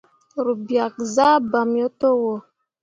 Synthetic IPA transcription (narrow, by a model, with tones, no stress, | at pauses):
ɾu˨bja˨k̚za˦ba˨mjɔ˦to˦wɔ˨